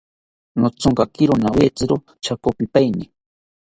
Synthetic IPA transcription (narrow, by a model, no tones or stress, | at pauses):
not͡soŋkakiɾonawet͡sɨɾo | t͡ʃakopipajni